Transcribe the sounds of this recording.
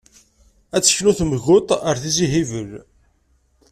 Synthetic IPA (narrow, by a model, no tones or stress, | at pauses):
æt͡sːə̥çluθmʝʊt̪ˤəɾθiziɦivəl